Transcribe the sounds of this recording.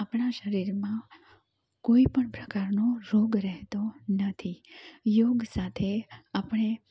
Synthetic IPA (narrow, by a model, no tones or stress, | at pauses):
apɳaʃəɾiɾmã | koipəɳpɾəkaɾnoɾoɡɾɛɦt̪onət̪ʰijoɡsat̪ʰeapəɳ̃e